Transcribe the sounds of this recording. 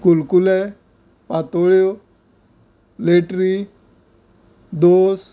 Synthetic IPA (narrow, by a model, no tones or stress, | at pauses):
kulkulɛ | pat̪oɭjo | leʈɾi | d̪os